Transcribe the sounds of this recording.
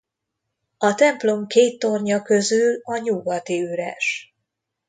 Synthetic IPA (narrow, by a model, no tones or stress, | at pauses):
ɒt̪ɛmplo̞mkeːt̪ːo̞rɲɒkø̞zylɒɲuɡɒt̪iyɾɛ̰ʃ